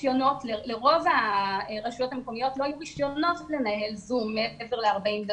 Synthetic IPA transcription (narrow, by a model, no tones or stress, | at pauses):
jo̞no̞tleleʁo̞vaʁaʃujo̞t̪ameko̞mijo̞tlo̞ajuʁiʃjo̞no̞tle̞nahe̞lzumːeeveʁleaʁbaimd